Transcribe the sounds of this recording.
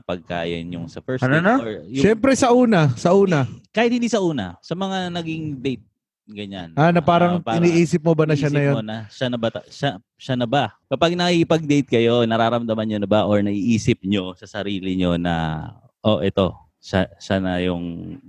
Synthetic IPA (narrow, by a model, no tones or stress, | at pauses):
ɐpɐɡ̚ka̰ːjɐ̰ɲʊŋsɐfɛɹsɐoɹjʊʃɛmpɾɛsɐʔuːnɐsɐʔuːnɐkaːhɪt̪̚hɪnd̪iːsɐʔuːnɐsɐmɐŋanɐɡiŋd̪ejt̪̚ | ɡɐɲanːanɐpaːɾɐŋpaɪniːʔiːsɪp̚mobɐnɐʃanɐjoonɐʃanɐbɐt̪ɐʃa | ʃanɐbakɐpaɡ̚nɐʔiɪpɐɡ̚d̪ejt̪̚kɐjo̞nɐɾaːɾɐmd̪ɐmɐnɲonɐbaʔoɹnɐʔiʔiːsɪp̚ɲo̞sɐsɐɾiːlɪɲonɐ̰ | ʔoʔɛt̪o̞ | ʃaʃanɐjʊŋ